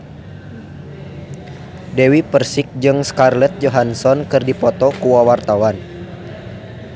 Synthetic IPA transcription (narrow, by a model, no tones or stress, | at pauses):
dɛwipərsik̚d͡ʒɨŋskarlɛt̪̚d͡ʒɔɦansɔnkɨrdipɔt̪ɔkuwawart̪awan